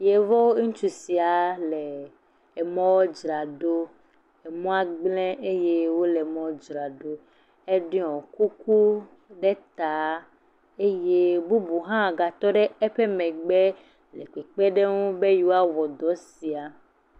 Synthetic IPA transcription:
je˨vɔ˦wo˦ŋũ˦t͡ʃu˨si˨a˨leː˨ | mɔ̃˦wɔ˦d͡ʒɾa˨ɖo˦ | e˨mɔ̃˦a˦ɡ͡blɛ̃˦ʔe˦je˦wo˦lɛ˨mɔ̃˦wd͡ʒɾa˨ɖo˦ | e˦ɖɛ˦ɔ̃˨ku˦ku˦ | ɖe˦t̪a˨˦ | e˦je˦bu˦bu˨ɦã˦˨ɡa˨t̪ɔ˦ɖe˦ɛ˦ɸe˦mɛ̃˨ɡ͡be˦ | le˨k͡pe˨k͡pe˦ɖe˦ŋũ˦be˦ju˦wa˦wɔ˨d̪ɔ˨˦si˨a˨

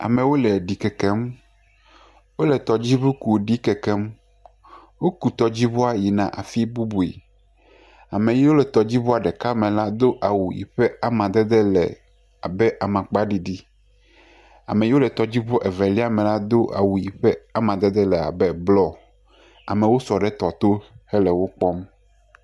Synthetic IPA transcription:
a̰˨mɛ̃˨wo˦lɛ˨ɖi˨kɛ˨kɛ˦m | wo˦lɛ˨t̪ɔ˨d͡ʑi˦bu˦ku˨ɖi˦kɛ˨kɛ˦m | wo˦ku˨t̪ɔ˨d͡ʑi˦bo˦a˦ji˨nã˨ʔa˨fi˦bu˦bu˨ḛ˨ | a˨mẽ˨ji˦wo˦lɛ˨t̪ɔ˨d͡ʑi˦bo˦a˨ɖɛ˨ka˦mɛ̃˨la˦d̪o˦ʔa˨wu˨jḭ˨ɸɛ˦a˦mã˨d̪ɛ˦d̪ɛ˦lɛ̰˨ | a˨bɛ˦ʔa˨mã˨k͡pa˦ɖi˨ɖi˦ | a̰˨me˨jo˦lɛ˨t̪ɔ˨d͡ʑi˦bo˦ʔɛ˨vɛ˨li˦a˦mɛ̃˨la˦d̪o˦ʔa̰˨wu˨ji˨ɸɛ˦a˦mã˨d̪e˦d̪ɛ˦lɛ˨a̰˨bɛ˦blɔ˦ | a˨mẽ˨wo˦sɔ˨ɖɛ˦t̪ɔ˨t̪o˦hɛ˦lɛ˨wo˦k͡pɔ˦m

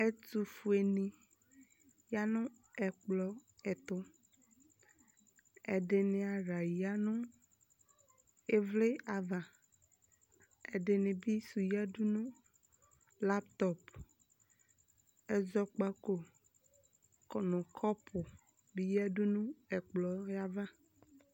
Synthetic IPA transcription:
e˦tu˨fu˨e˨nĩ˨ | ja˦nʊ̃˦ | ɛ˨k͡plɔ˨ɛ˨t̪ʊ˦ | ɛ˨ɖe˨nɪ̃˦a˨ɾa˨ja˦nʊ̃˦ | e˦vle˦a˨va˨ | e˨ɖe˨nɪ̃˨bi˦su˨ja˦ɖu˦nũ˦ | la˦pt̪ɔ˦p | ɛ˦zɔ˦k͡pa˦ko˦ | kɔ˨nʊ̃˨kʰɔ˦pʰʊ˨ | bi˦ja˦ɖu˦nũ˦ɛ˨k͡plɔ˨ja˦va˦

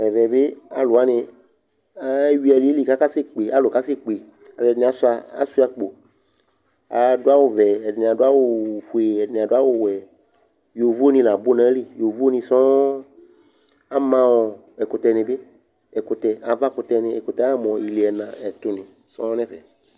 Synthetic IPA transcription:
mɛ̃˨vɛ˨be˦a̰˨lʊ˨a˦nɪ̃˧ | a˨˦wi˦ɛ˧li˨˦li˦˨ka˦ka˦se˦k͡pe˨a˨˦lʊ˨ka˦se˦k͡pe˨ | a˨˧˨dɪ˨nĩ˧a˨sa˧a̰˦su˦a˧k͡po˨ | a˨dʊ˦a˦wo˦vɛ˨ɛ˨dn˧˨a˨dʊ˦a˦wʊ˦˨fu˨e˨ɛ˨dnĩ˨a˨dʊ˦a˦wʊ˦wɛ˨ | jo˨vu˦o˦nĩ˧lã˨bo˦nã˨˦li˦˨jo˨vu˦o˦nĩ˧sɔ̃˦ | a˦mã˧wɔ˨ | ɛ˨kʊ˧tɛ˧nɪ̃˧bɪ˦ | ɛ˨kʊ˧t̪ɛ˧a˨˦va˦kʊ˧t̪ɛ˧nɪ̃˧ɛ˨kʊ˨tɛ˨˦mɔ̃˨i˨li˨ɛ˨nã˨ɛ˨t̪ʊ˧nĩ˨ | sɔ̰̃˦nɛ̃˦vɛ̰˨

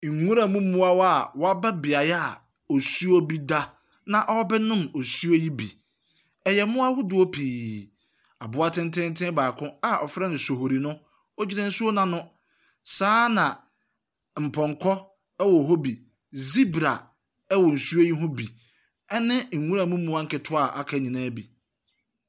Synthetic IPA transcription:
ŋ̩˨ŋũ˦ɾa˨mũ˦mũ˦a˦wɔ˦a˨wɔ˨a˦bɛ˦bɪ˨a˨jɛ˦a˦˨ | ɔ˨su˦o˦bi˦da˦ | nã˨ʔɔ˦wɔ˦bɛ˦nʊ̃˦mɔ˨su˦o˦ji˦bḭ˨ | ɛ˨jɛ˨˦mʊ̃˦a˦hʊ˦dʊ˨o˦pʰiː˨ | a̰˨bʊ˦a˦tʰɪ̃˦n̩˦tʰɪ̃˦n˦tʰɪ̃˦baː˨kʰʊ̃˦a˨ʔɔ˨fɾɛ˦nɪ̃˨so˨ɦo˨ɾi˨nʊ̃˦ | ɔ˦d͡ʑɪ˦nã˦n̩˦su˦o˦nã˨nʊ̃˦ | saː˦nã˨ | m̩˨pʰɔ̃˨ŋkʰɔ˦ | ɛ˦wɔ˨ɦo˦bi˨ | zi˦bɾa˨ | ɛ˦wɔ˨n̩˨su˦o˦ji˦ɦʊ̃˦bi˨ | ɛ˦nɪ̃˦ŋ̩˨ŋũ˦ɾa˨mũ˦mũ˦a˦ŋ̩˦kɪ˨tʰʊ˦a˨ʔa˨kʰa˨ɲĩ˨nãː˦bi˨

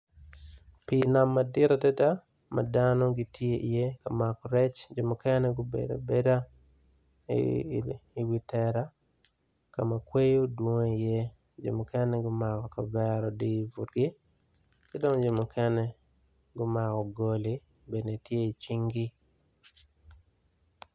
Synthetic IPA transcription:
pina˨mːa˨dɪ˦ɾa˨tɛ˦ta˦ | ma̰˨danɔ˦ɡitʰje˦i˨je˦ka˨makɔ˨ɾɛ˦t͡ʃd͡ʒo˨mʊ˨kɛ˦nɛɡʊbḛda̰˨be˦da˦ | i˨wi˦tɛɾa˦ | ka˨ma˨kwe˦jo˦dwo˦ŋe˦ije˦ | d͡ʒo̰˨mʊkʰɛ˦nɛɡʊ˦makɔ˨ka˨vɛɾɔdi˦ivu˨tɡɪ˦ | kɪdɔ˦ŋd͡ʒo˨mʊkʰɛ˦nɛ˦ | ɡʊ˦ma˨kɔ˨ɡoli | be˨dne˨tje˦i˨t͡ʃi˦ŋɡi˦

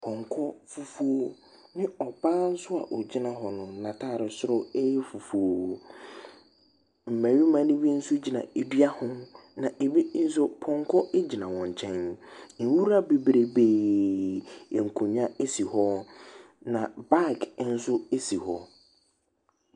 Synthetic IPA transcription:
pʰɔ̃˨ŋkʰɔ˦fu˨fu˦o˦ | nɪ̃˦ɔ˨baː˦n̩˦sʊ˦a̰˨ʔɔ˨d͡ʑi˦nã˨ɦɔ˨nʊ̃˨˦nã˨tʰaː˦˨ɾɪ˨sʊ˦ɾʊ˦ɛ˦jɛ˦fu˨fu˨o˨ | m̩˨mæ̃˨ɥi˦mã˦nɪ̃˦bi˦n̩˦sʊ˦d͡ʑi˨nã̰˨e˨dɥa˦hʊ̃˦nã˨ʔe˨bi˦n̩˦s̬ʊ˦pʰɔ̃˨ŋ˦kʰɔ˦ʔe˦d͡ʑi˨nã˨wɔ̃˨ɲ˨t͡ɕʰɛ̃˦n˨n̩˨wu˦ɾa˦be˨bɾe˦˨beː˨ | e˨ŋ̩˨kʰũ˨ɲã˦e˦si˨hɔ˦ | nã˨ba˦kʰn̩˦sʊ˦e˦si˨hɔ˨

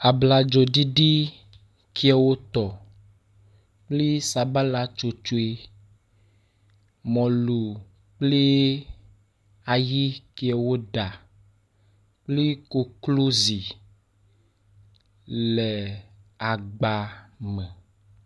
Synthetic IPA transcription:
a˨bla˨d͡ʒo˨ɖi˦ɖi˦ | ki˦ɛ˨wo˦t̪ɔ˨ | k͡ple˦sa˨ba˦la˨t͡ʃo˨t͡ʃo˦e˨ | mɔ̃˨lu˨ | k͡ple˦ | a˨ji˦ki˨ɛ˨wo˦ɖa˨ | k͡ple˦ko˨klo˦zi˨ | lɛ˨a˨ɡ͡ba˨mɛ̃˨

